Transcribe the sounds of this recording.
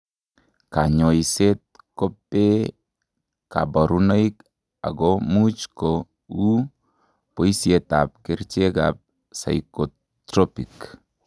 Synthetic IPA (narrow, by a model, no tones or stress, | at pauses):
kaɲɔiset̚kopːe | ka̰bɔɾunoik | a̰ɡomut͡ʃko | u | poisjetap̚kert͡ʃeɡa̰p̚ | sa̰jko | tɾɔpik